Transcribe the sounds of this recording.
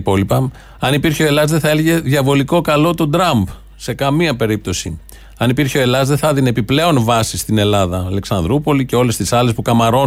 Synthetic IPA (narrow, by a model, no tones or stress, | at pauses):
po̞lipɐ | ɐnipiɾçeo̞e̞lɐzðeθɐeleʝe̞ðʝɐvo̞liko̞kɐlo̞t̪o̞d̪ɾɐmb | se̞kɐmiɐpe̞ɾip̚t̪o̞sḭ | ɐnipiɾçeo̞e̞lɐzðeθɐðine̞piple̞o̞nvɐsist̪ine̞lɐðɐːle̞ksɐnd̪ɾupo̞lice̞o̞le̞st̪isɐle̞spukɐmɐɾo̞